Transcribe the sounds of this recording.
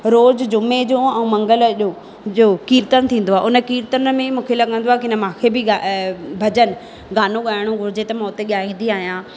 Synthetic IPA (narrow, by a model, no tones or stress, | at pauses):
ɾoːd͡ʑd͡ʑʊmed͡ʑoːɛ̃ũmɐ̃ŋɡəlʄoː | d͡ʑoːkiːɾt̪ən̆t̪ʰĩːn̆d̪oaːʔʊnə̆kiːɾt̪ənmẽmũːkʰelɐɠə̃nd̪oaɦekɪnəmãːkʰebɪɡabʱɐd͡ʑən̆ | ɡaːnoɠaːɪɽ̃õɡʱʊɾɪd͡ʑet̪ɐmãʊt̪eɠijaːɦĩːn̆d̪iaːɦijãː